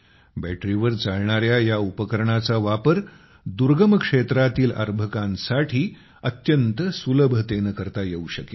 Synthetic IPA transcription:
bæʈɾiʋəɾt͡saɭɳaɾjajaupəkəɾɳat͡saʋapəɾ | d̪uɾɡəməkʂet̪ɾat̪iːlə̰ɾbʱəkãnsaʈʰiː | ət̪jənt̪əsuləbʱət̪enəkəɾt̪ajeuɕəke

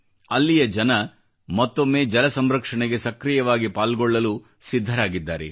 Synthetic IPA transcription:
ɐlːijɐd͡ʒɐnɐ | mɐt̪ːomːe̞ːd͡ʒɐlɐsɐmɾɐkʂɐɳeɡe̞sɐkɾijɐʋaːɡipaːlɡɔɭːɐlu | sid̪ʱːɐɾaːɡid̪ːaːɾḛ

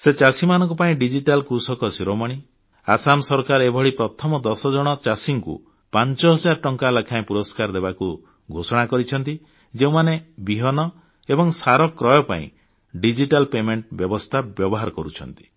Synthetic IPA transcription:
set͡ʃasimanɔ̃ŋkupaĩɖid͡ʒiʈalkɾusɔkɔsiɾɔmɔɽ̃i | asamsɔɾkaɾebʱɔɭipɾɔt̪ʰɔmɔd̪ɔsɔd͡ʒɔɽ̃ɔt͡ʃasiŋkṵ | pant͡ʃɔɦɔd͡ʒaɾɔʈɔŋkalakʰaẽpuɾɔskaɾd̪ebaku | ɡʱosɔɽ̃akɔɾit͡ʃʰɔnt̪i | d͡ʒeũmanebiɦɔnɔ | ebɔŋsaɾɔkɾɔjɔpa̰ḭ̃ | ɖid͡ʒiʈalpemeɳʈbjɔbɔst̪ʰabjɔbɔɦaɾɔkɔɾut͡ʃʰɔ̰nt̪i̥

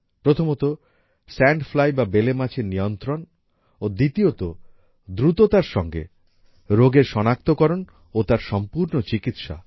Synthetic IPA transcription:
pɾot̪ʰomot̪o | sɛɳɖfʰlajbabelemat͡ɕʰeɾnijont̪ɾon | od̪it̪iot̪o | d̪ɾut̪ot̪aɾʃɔŋɡḛ | ɾoɡeɾʃɔnak̚t̪okɔɾon | ot̪aɾʃɔmpuɾnot͡ɕikit̪ʃa̰

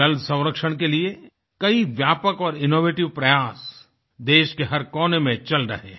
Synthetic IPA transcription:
ɐlsɐ̃w̃ɾəkʃəɽ̃kelie | kɐiʋjaːpəkɔːɾɪnoːʋeːʈɪʋpɾɐjaːs | d̪eːʃkeɦɐɾkɔːnemẽt͡ʃɐlɾɐ̰ɦeː

